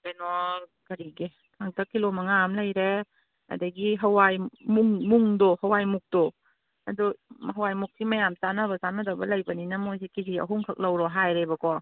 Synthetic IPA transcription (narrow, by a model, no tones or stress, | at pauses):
benɔkɐɾiɡe | tʰaŋtʰɐkːilomɐŋamlajɾe | ɐ̰dɐɡiɦɐwajmuŋmuŋdɔhɐwajmuk̚d̥ɔ | ɐduɦɐwajmuk̚simɐjamsanɐbɐzanɐdɐbɐlɐjbɐninɐmojs̬ikiziɐ̰ɦuŋkʰɐk̚lɐwɾɔɦajɾebɐkɔ